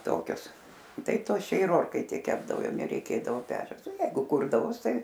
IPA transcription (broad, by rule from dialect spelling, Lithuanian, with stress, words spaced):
ˈtoːkʲʊs ˈtɐɪ ˈtuɔs t͡ʃʲɛ ɪr ˈoːrkɐɪtʲeːj ˈkʲæːbdɐʋoː ˈjɛʊ nʲɛrʲɛɪˈkʲeːdɐʋoː ˈpʲæːt͡ʃʲɛʊs oː ˈjɛɪɡʊ ˈkʊrdɐʋoːs ˈtɐɪ